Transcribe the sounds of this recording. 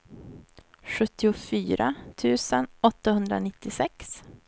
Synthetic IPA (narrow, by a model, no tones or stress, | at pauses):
ɧɵt̪ːɪʊfyːɾat̪ʰʉ̟ːsənɔt̪ːahɵnd̪ɾa̰nɪt̪ːɪsɛks